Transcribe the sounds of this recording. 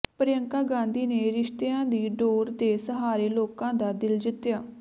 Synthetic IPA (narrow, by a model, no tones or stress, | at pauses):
pəɾjəŋkaːɡãːnd̪iːneːɾɪʃt̪eãːd̪iːɖoːɾt̪eːsəɦaːɾeːloːkãːd̪aːd̪ɪld͡ʒɪt̪ːjaː